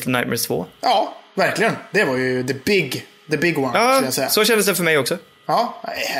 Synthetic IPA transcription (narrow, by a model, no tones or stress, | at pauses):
t̪l̩ˠnaɪtmə̰ɹθv̥o̰ːʔɑːvæɾklɪɡənd̪ɛvɑɾjɵðəbɪɡ | ðəbɪɡwanɑːklasɛjːasɔaʃɛ̃ndəsɛfɔmɛjɔksɔ | ɑː